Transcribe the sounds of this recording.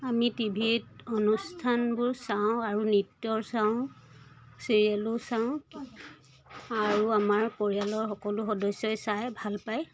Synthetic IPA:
amitibʱidɔnustʰanbʊɹsaʊ̃aɹunitːjɔɹsãʊ̃ | siɹiɛlʊsaʊ̃ | aɹuamaɹkoɹialɔɹxɔkɔlʊxɔdɔjsːɔjsajbʱalpaj

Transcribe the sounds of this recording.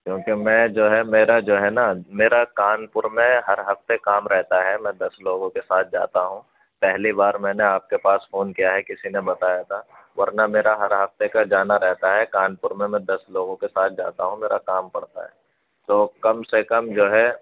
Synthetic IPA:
kjõːkemɛ̃ːd͡ʒoːɦɛmeːɾad͡ʒoːɦɛnameːɾakaːnpʊɾmẽɦɐɾɦɐft̪ekaːmɾɛɦt̪aɦɛmɛ̃d̪ɐsloːɡõkesaːt̪̚ʰd͡ʒa̰ːt̪aɦũ | pɛɦlibaːɾmɛ̃ːneaːp̚kepaːsfoːnkijaɦɛkɪsinẽbɐt̪aːjat̪ʰa | ʋɐɾnameːɾaɦɐɾɦɐft̪ekad͡ʒaːnaɾɛɦt̪aɦɛkaːnpʊɾmẽmɛ̃d̪ɐsloːɡõkesaːt̪̚ʰd͡ʒa̰ːt̪aɦũmeːɾakaːmpɐɽt̪a̰ɦɛ̰ː | t̪oːkɐmsekɐmd͡ʒoːɦɛ

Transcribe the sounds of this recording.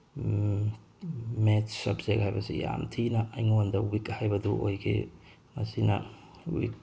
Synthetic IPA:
met͡ʃsɐbzekhajbɐsija̰mtʰinɐʔːjŋondɐwikhajbɐduʔojɡḛ | mɐsinɐ̰ | wḭk̚

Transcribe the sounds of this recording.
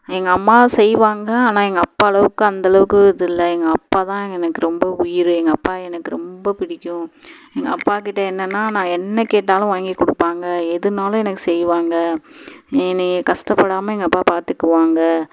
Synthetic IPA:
ɛŋɡɐɐmːaːsɛjʋaːŋɡɐaːnaːɛŋɡɐːpːaːɐlɐʋɯkːɯɐnd̪ɐlɐʋɯkːɯɪðɪlːɐɛŋɡɐɐpːaːt̪ãːɛŋɡɛnɐkːɯɾɔmbɐʊjɪɾɯɛŋɡɐpːaːɛnɐkːɯɾɔmbɐpɪɽɪkːʊ̃ɛŋɡɐɐpːaːkɪʈːɐɛnːɐnːaːnãːɛnːɐkeːʈ̬ːaːlʊ̃ʋaːŋɡikːʊɽɯpːaːŋɡɐɛðɯnaːlʊ̃ɛnɐkːɯsɛjʋaːŋɡɐ | ɛnɐkɐsʈɐpːɐɽaːmɐɛŋɡɐpːaːpaːɾt̪ɯkːɯʋaːŋɡɐ

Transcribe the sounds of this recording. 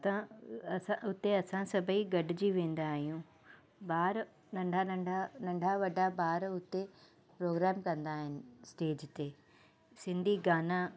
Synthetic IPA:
t̪ã | ãʊt̪eɐsãsɐbʱiɡɐɖʱɪd͡ʑiʋẽːn̆d̪aːɦijũ | baːɾ | nɐ̃ɳɖʱanɐ̃ɳɖʱanɐ̃ɳɖʱaʋɐɖʱabaːɾʊt̪e | pɾoːɡɾɛːmkɐ̃nd̪aːɦɪnɪ̆sʈeːd͡ʑt̪eː | sɪ̃nd̪ʱiɡaːna

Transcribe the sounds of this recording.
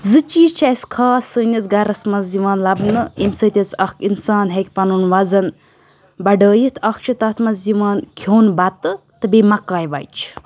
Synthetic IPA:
zɨt͡ʃiːt͡ʃʰɐjskʰaːsəːnʲɐt͡sɡɐɾɐsmɐzziʋaːnlɐbnɨimsət̪ʲɐt͡sɐkʰinsaːnɦɐk̚ʲpɐnunʋɐzɐn | bɐɖəːjit̪ʰɐk̚ʰt͡ʃʰit̪ɐt̪ʰmɐzziʋaːnkʲʰjoːnbɐt̪ɨ | t̪ɨbeːmɐkːaːjʋɐ̰jt͡ʃʰ

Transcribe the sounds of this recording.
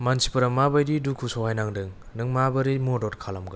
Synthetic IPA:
mansi̥pɯɾamabajdidukʰusɔwhajnaŋdɯŋ | nɯŋmabɐɾimodɔtkʰalamɡɯ

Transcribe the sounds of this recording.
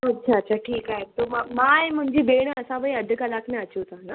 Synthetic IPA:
ɐtːɕʰaːtːɕʰaʈʰiːkaɦet̪omamãemʊ̃ɲd͡ʑiːbeɽ̃əəsãʋəiəd̪ʱəkalakʰnẽət͡ɕut̪ãna

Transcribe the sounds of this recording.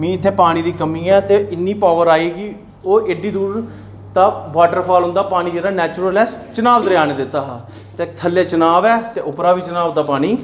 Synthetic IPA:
mĩːɪt̪ʰːeːpaːɽ̃iːd̪iːkəmiːɛːt̪eːɪnːiːpaːʋəɾaːiːɡi | oːeːɖiːd̪uːɾ | t̪aːʋaːʈəɾpʰaːlɦʊ̃nd̪aːpaːñiːd͡ʒeːɽaːnɛːt͡ʃʊɾəlɛːt͡ʃənaːʋd̪əɾɪjaːneːd̪ɪt̪ːaːɦ | t̪eːt̪ʰəljaːt͡ʃənaːʋɛːt̪eːʔʊpɾaːʋiːt͡ʃənaːʋd̪aːpaːñiː

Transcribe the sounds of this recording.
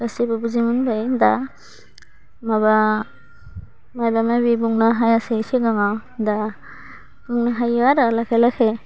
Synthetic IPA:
ɡasibabuzimunbajnda | maba | majbamabibuŋnaɦajasesiɡaŋawda | b̥uŋnaɦajwaɾalakʰajlakʰe

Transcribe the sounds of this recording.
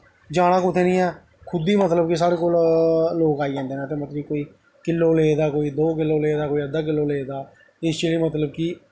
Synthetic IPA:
d͡ʒaːɽ̃ãːkʊt̪ʰeːnĩːɛː | kʰʊd̪iːmət̪ləb̚kis̬aːɾeːkoːlːoːkaːiːd͡ʒɛ̃ːnd̪eːnẽːt̪̬ẽːmət̪ləikoːiː | kɪlːoːleːd̪aːkoːiːd̪oːkɪlːoːleːd̪aːkoːiːəd̪aːk̬ɪlːoːleːd̪aː | ɪst͡ʃeliːmət̪ləb̚kiː

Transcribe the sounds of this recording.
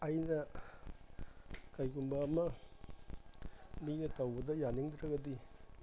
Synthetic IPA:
ɐjnɐ | kajkumbɐːmɐ | minɐtɐwbɐdɐjaniŋd̪ɾɐɡɐdi

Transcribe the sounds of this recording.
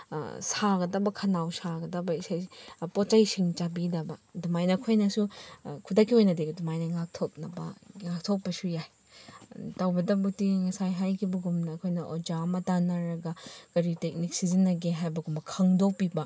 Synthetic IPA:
saɡɐdɐbɐkʰɐnawsaɡɐdɐbɐisajpot͡ʃɐjsiŋt͡ʃabidɐbɐdumajnɐːkʰojnɐsukʰudɐkʰːiojnɐdeɡdumajnɐŋak̚tʰop̚nɐbɐ̰ŋak̚tʰok̚pɐsujaj | tawbɐdɐbutiŋɐsajɦajkʰibɐɡumnɐːkʰojnɐʔod͡ʒamɐtanɐɾɐɡɐkɐɾitek̚nik̚sizinːɐɡeɦajbɐɡumbɐkʰɐŋdopibɐ

